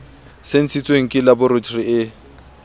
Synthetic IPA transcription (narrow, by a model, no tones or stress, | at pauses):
sen̩t͡sʰit͡sʼweŋ̩kʼɪlabʊrʊt͡ʃʰriɪ